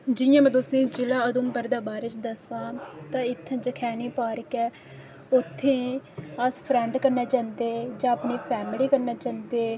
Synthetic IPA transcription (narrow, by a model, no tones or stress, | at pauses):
d͡ʒɪjãːmɛ̃ːt̪ʊsẽːd͡ʒɪlãːəd̪uːmpəɾd̪aːbaːɾet͡ʃd̪əsãːt̪ãːɪt̪ʰːãːd͡ʒəkʰɛːniːpaːɾəkɛː | ʊt̪ʰːẽːəspʰɾɛɳɖkəɾnaːt͡ʃãːnd̪eːd͡ʒãːəpneːpʰɛːmliːkəɾnaːt͡ʃãːnd̪eː